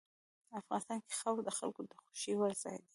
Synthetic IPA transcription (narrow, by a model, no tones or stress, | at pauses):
afɣɑnɪst̪ɑnke̥xawkd̪əxa̰lkod̪əxo̥ʃiwəɾzɑ̰jd̪i̥